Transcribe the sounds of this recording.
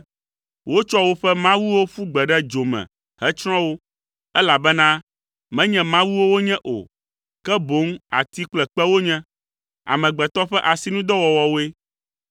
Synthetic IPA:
wo˦t͡ʃɔ˦wo˦ɸɛ˦mã˦wu˦wo˦ɸu˦ɡ͡bɛ˨ɖɛ˦d͡ʒo˨mɛ̰̃˨ | hɛ˦t͡ʃɾ̃ɔ̃˦wo˦ | ɛ˦la˨bɛ˦nã˦ | mɛ̃˦ɲɛ̃˨mã˦wu˦wo˦wo˦ɲɛ̃˦ʔo̰˨ | kɛ˦bo˨˦ŋa̰˨t̪i˦k͡plɛ˨k͡pɛ˦wo˦ɲɛ̃˦ | a̰˨mɛ̃˨ɡ͡bɛ˨t̪ɔ˦ɸɛ˦ʔa˨si˨nũ˦d̪ɔ˦wɔ˨wɔ˨wo˦e˦

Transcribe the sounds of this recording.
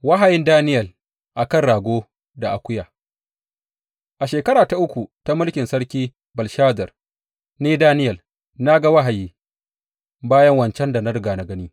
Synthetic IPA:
wa˦ɦa˨jɪ˦ndaː˦nɪ˦jɐ˨l | ʔa˨kɐ˦˨nɽaː˨ɡʷoː˦ | da˨ʔa˨kʷʊ˦jaː˨ | ʔa˨ʃeː˨kɐ˦ɾaː˨ta˨ʔʊ˦kʷu˨ta˦mʊ˦lkʲɪ˨nsɐ˦ɽkʲiː˦ | bɐ˨lʃaː˦dɐ˨r | neː˦daː˦nɪ˦jɐ˨l | na˦ɡa˦wa˦ɦa˨jiː˦ | baː˦jɐ˦ŋwɐ˨nt͡ʃɛ˦nda˨na˦ɽɡaː˨na˨ɡɐ˦niː˦

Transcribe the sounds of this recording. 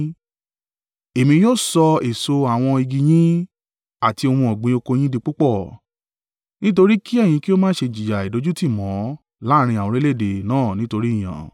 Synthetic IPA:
e˨mĩ˧joː˦˨sɔ˧e˨so˧a˨w̃ɔ̃˧i˧ɡi˧j̃ĩ˦ | a˨ti˧o˧hũ˧ɔ˨ɡ͡bĩ˨˧˦o˧ko˧j̃ĩ˦di˧k͡pu˦k͡pɔ˦˨ | nĩ˦t̬o˧ɾi˦ki˦ɛ˦˨j̃ĩ˧ki˦o˦mãː˦ʃe˧˨d͡ʒi˨d͡ʒa˨i˨do˨˦d͡ʒu˦ti˦˨mɔ̃˨˦ | la˦˧ɾ̃ĩ˧a˨wɔ̃˨˧ɾe˦le˦˨de˨nãː˦˨nĩ˦to˧ɾi˦i˦˨j̃ã̰˨

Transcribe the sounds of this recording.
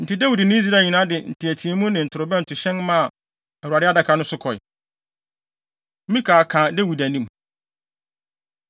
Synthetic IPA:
n̩˨tɪ˦dæ˦wu˨dnɪ̃˦i˦z̬i˦ɾa˦˨ɲĩ˨nã˦dɪ˨n̩˨tʰɪ˨æ˨tʰi˨e˦mũ˦nɪ̃˨n̩˨tʰʊ˨ɾʊ˨bɛ˦n̩˨tʰʊ˨ɕɛ̃˦nmã˦˨ | ɛ˨ɾu˨a˨dɪ˦a˦da˨kʰa˨˦nʊ̃˦sʊ˦kʰɔ˨ɪ̰˨˦ | mĩ˦kʰaː˨kʰã˨dæ˦wu˨dæ˨nĩ˦m

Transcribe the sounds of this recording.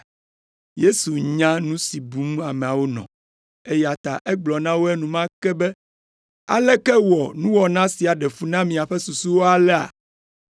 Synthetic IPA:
je˦su˨ɲã˦nũ˦si˨bu˨˦m˦a˨mẽ˨a˨wo˦nɔ̰̃˨ | e˦ja˨t̪a̰˨ʔɛ˦ɡ͡blɔ˨nã˦wo˦ɛ˦nũ˨mã˦kɛ˦bɛ˦ | a̰˨lɛ˦kɛ˦wɔ˨nũ˦wɔ˨nã˦si˨a˨ɖɛ˨fu˦nã˦mĩ˨a˨ɸɛ˦su˨su˦wo˦a˨lɛ˦a̰˨

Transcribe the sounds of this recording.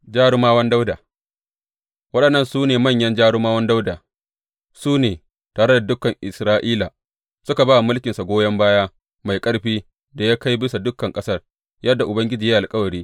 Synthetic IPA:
d͡ʒaː˦ɽoː˦maː˦wɐ˦nda˦wdaː˨ | wɐ˦ɗɐ˨nːɐ˦˨nsuː˦neː˨mɐ˦˨ɲjɐ˦nd͡ʒaː˦ɽoː˦maː˦wɐ˦nda˦wdaː˨ | suː˦neː˨ | taː˨ɽɐ˦da˨dʊ˦kːɐ˨ŋʔɪ˨sɾaː˦ʔiː˦laː˨ | sʊ˦ka˨baː˦wmʊ˦lkʲɪ˨nsa˨ɡʷoː˦jɐ˦mbaː˦jaː˦ | ma˨jkʼɐ˦ɽɸiː˦ | da˨jaː˦ka˦jbɪ˦sa˨dʊ˦kːɐ˨ŋkʼɐ˦sɐ˦r | jɐ˦dːa˨ʔʊ˨bɐ˦ŋɡʲɪ˦d͡ʒiː˨ja˦ʔa˨lkʼɐ˦wɐ˨ɽiː˦

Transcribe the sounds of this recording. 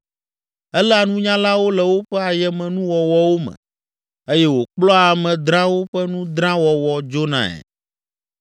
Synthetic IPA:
ɛ˦lɛ˦a˨nũ˦ɲã˦la˦wo˦lɛ˨wo˦ɸɛ˦a˨jɛ˦mɛ̃˨nũ˦wɔ˨wɔ˦wo˦mɛ̰̃˨ | e˦jɛ˦wo˨k͡plɔ˦a˨mɛ̃˨d̪ɾã˦wo˦ɸɛ˦nũ˦d̪ɾã˦wɔ˨wɔ˨d͡ʒo˦nã̰˨ɛ̰˨

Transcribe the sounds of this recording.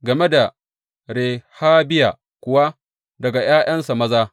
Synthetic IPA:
ɡɐ˨me˦da˨ | ɾeː˨haː˦bɪ˦jaː˨ | kʷʊ˨wa˦ | dɐ˨ɡa˨j̰aː˦j̰ɐ˦nsa˨mɐ˦zaː˦

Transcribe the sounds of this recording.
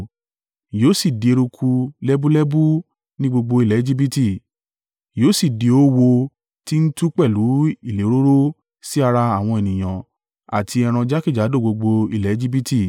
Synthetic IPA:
joː˦si˦˨di˨e˧ɾu˧kʰu˧lɛ˦bu˦lɛ˦bu˦ | nĩ˦ɡ͡bo˧ɡ͡bo˧i˦˨lɛ˨˦d͡ʒi˦bi˦ti˦˨ | joː˦si˦˨di˨˧o˦wo˧ | ti˦n̩˦tu˦k͡pɛ˦˨lu˨˦i˦˨le˨˦ɾo˦ɾo˦ | si˦a˧ɾa˧a˦˨w̃ɔ̃˧e˨nĩ˨j̃ã˨ | a̰˨tʰi˧ɛ˧ɾ̃ã˧d͡ʒa˦ki˦˨d͡ʒa˨˦do˦˨ɡ͡bo˧ɡ͡bo˧i˧˨lɛ˨˦d͡ʒi˦bi˦ti˦˨

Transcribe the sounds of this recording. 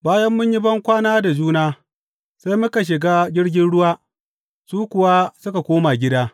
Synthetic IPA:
baː˦jɐ˦mːʊ˦ɲji˦bɐ˦ŋkʷaː˦naː˦da˨d͡ʒuː˦naː˦ | sa˦jmʊ˦ka˨ʃ̬ɪ˨ɡaː˦d͡ʒʲɪ˦ɽɡʲɪ˦nɽʊ˦waː˦ | suː˦kʷʊ˨wa˦sʊ˦ka˨kʷoː˦ma˨ɡʲɪ˦daː˦

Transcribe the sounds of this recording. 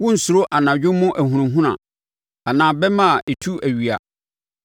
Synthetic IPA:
wʊ̃˦n̩˨sʊ˨ɾo˦ʔa˨nã˨d͡ʑᶣʊ̃˦mʊ̃˦ʔæ˨ɦũ˨ũ˨ɦũ˦nã̰˨ | a˨nãː˨bɛ˦mã˦˨e˨tʰu˦æ˨ɥi˨a̰˨

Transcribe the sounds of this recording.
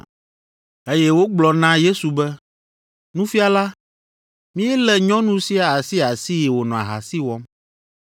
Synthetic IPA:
e˦jɛ˦wo˦ɡ͡blɔ˨nã˦je˦su˨bɛ˦ | nũ˦fi˦a˨la˦ | mĩ˦ɛ˦lɛ˨ɲɔ̃˦nũ˦si˦a˨a˨si˦a˨si˦jɛ˨wo˨nɔ̃˨a̰˨ɦa̰˨si˦wɔ˦m

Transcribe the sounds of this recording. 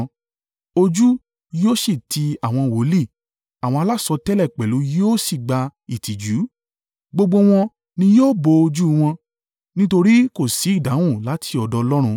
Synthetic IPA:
o˧d͡ʒu˦ | joː˦ʃi˦˨ti˧a˨w̃ɔ̃˧wo˨˦li˦˨ | a˨w̃ɔ̃˧a˧la˦sɔ˧tɛ˦lɛ˦˨k͡pɛ˨lu˨˦joː˦si˦˨ɡ͡ba˧i˨ti˨d͡ʒu˨˦ | ɡ͡bo˧ɡ͡bo˧w̃ɔ̃˧ | nĩ˧joː˦bo˧o˧d͡ʒu˦˧w̃ɔ̃˧ | nĩ˦to˧ɾi˦ko˦˨si˨˦˨da˨˦w̃ũ˦˨la˨˦tʰi˧ɔ˨dɔ˧lɔ˦ɾ̃ũ˧

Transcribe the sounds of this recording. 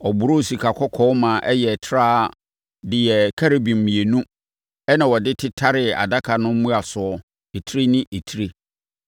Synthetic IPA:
ɔ˨bʊ˨ɾo˦˨si˨kʰa˨kʰɔ˦kʰɔː˦mã˨ʔɛ˦jɛ˨tʰɾaː˦˨ | dɪ˨jɛ˨kʰa˦ɾe˨bĩ˨m̩˨mĩ˨e˨nũ˦ | ɛ˦nã˨wɔ˨dɪ˦tʰɪ˦tʰa˦ɾɪ˨a̰˨da˦kʰa˨nʊ̃˦m̩˦mũ˦a˨sʊ˨ɔ˨ | e˨tʰi˦ɾe˦nɪ̃˦ʔe˨tʰi˦ɾe˦

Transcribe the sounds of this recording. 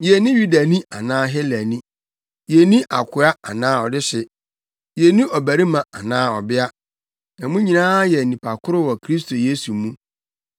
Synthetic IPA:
je˨nɪ̃˦ju˦da˨nĩ˦a˨nãː˦ɦɛ˦læ˨nĩ˦ | je˨nĩ˦ʔa˨kʰʊ˨˦a˦a̰˨nãː˦ɔ˨dɪ˦ɕɪ˨ | je˨nĩ˦ʔɔ˨bæ˨ɾi˦mã˨a˨nãː˦ɔ˨bɪ˦a˦ | ã˨mũ˦ɲĩ˨nãː˦jɛ˨nĩ˨pʰa˨kʰʊ˦ɾʊ˦wɔ˨kʰɾi˦s̬tʰo˨je˦su˨mũ˦

